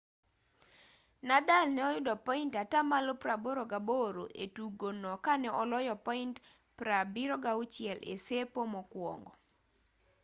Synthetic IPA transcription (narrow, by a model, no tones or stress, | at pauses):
nadalnɛɔjʊdɔpɔintatamalopɾaboɾoɡaboɾo̰ʔetuɡonɔkanɛʔɔlɔjɔpɔint | pɾabiɾɔɡaut͡ʃɪɛlḛsepomɔkwɔ̰ŋɡɔ